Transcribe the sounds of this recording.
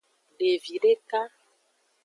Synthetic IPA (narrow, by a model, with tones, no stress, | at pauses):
ɖe˨vi˨ɖe˦ka˦